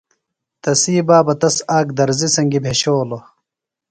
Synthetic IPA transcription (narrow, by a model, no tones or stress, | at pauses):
t̪ɐsiːbaːbɐt̪ɐsaːk̚d̪ɐɾzisɐŋɡibʱeɕoːlo